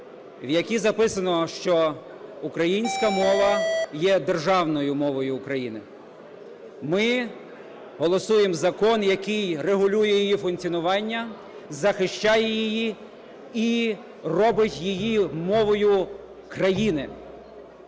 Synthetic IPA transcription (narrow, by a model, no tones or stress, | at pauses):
ʋjɐkʲizɐpɪsɐnɔʃt͡ʃɔ | ukɾɐjinʲsʲkɐmɔʋɐjɛd̪erʒɑwnɔjʊmɔʋɔjʊːkɾɐjinɪ | mɪ | ɦɔlˠɔsujemzɐkɔnjɐkɪjreɦʊlʲujɛjijifʊnk̪t͡sʲiɔnʊʋɑnʲːɐ | zɐxɪʃt͡ʃɑjɛjɪji | i | rɔbɪtʲjijimɔʋɔjʊ | kɾɐjinɪ